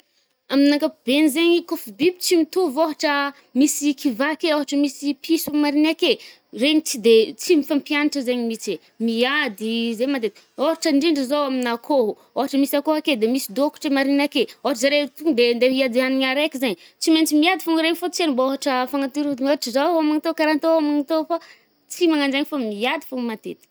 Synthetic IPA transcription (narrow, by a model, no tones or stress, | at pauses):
aminaŋkab̥enizeɲikofib̪ibi̥t͡simit̪uvoɦaʈ͡ʂə | misikʰivakeoɦaʈ͡ʂəmisipʰisumaɾinake | reɲit͡sid̪et͡simifampianaʈ͡ʂəzeɲimit͡se | miad̪izemand̪et̪ | oɦaʈ͡ʂəɳɖ͡ʐiɳɖ͡ʐəzowaminakʰoɦu | oɦaʈ͡ʂəmisiakoɦaked̪emisid̪oku̥ʈ͡ʂemaɾinakeoɦaʈ͡ʂəzaɾet̪uŋd̪end̪eɦiad̪ianiɲaɾekizaɲi | t͡siment͡simiad̪ifuŋiɾeɲifot͡senimbaoɦaʈ͡ʂəfaŋat̪iɾud̪imoaʈ͡ʂəzaamaŋit̪okaɾant̪oamaŋit̪ofa | t͡simaŋand͡ʒaɲifomiad̪i̥fuŋimat̪et̪i̥